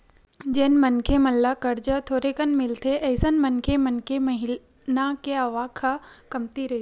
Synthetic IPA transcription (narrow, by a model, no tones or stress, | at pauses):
d͡ʒeːnmənkʰeməlːakəɾd͡ʒət̪ʰoːɾekənmɪlt̪ʰeʔɐɪsənmənkʰemənkʰemɐɦɪ | nakeaʋaːkʰəkɐmt̪iɾɐɦi